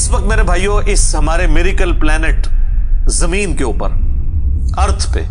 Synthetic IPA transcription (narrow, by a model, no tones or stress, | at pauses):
ɪsʋɐk̚t̪meːɾebʱaːijoʔɪsɦɐmaːɾemɪɾikəlplɛːnɪʈ | zɐmiːnkeuːpə̰ɾ | ɐɾt̪ʰpḛː